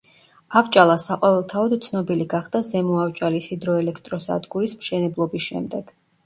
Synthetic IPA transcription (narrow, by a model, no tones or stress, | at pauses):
avt͡ʃʼalˠasaqʼɔvɛlˠt̪ʰaɔd̪t̪sʰnɔbiliɡaχd̪̥azɛmɔavt͡ʃʼalisid̪ɾɔɛlɛkʰt̪ʼɾɔsa̰d̪ɡuɾismʃɛnɛblˠɔbisʃɛ̰md̪ɛɡ̥